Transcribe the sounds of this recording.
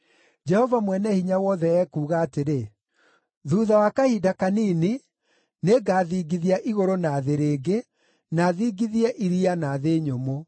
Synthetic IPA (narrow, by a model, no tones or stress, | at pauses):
d͡ʒɛhɔvamwɛnɛhiɲawɔːðɛɛːkuːɣaːteɾe | ðuːðawakahidakaniːni | neɡaːðiːɡiðiaʔiɣoɾonaːðeɾeːɡe | naːðiːɡiðiɛʔiɾianaðeɲomo